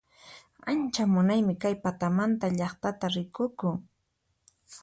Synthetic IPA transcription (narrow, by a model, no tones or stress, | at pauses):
ant͡ʃamʊnajmɪkajpat̪amant̪aʎɑχt̪at̪aɾɪkʊkʊ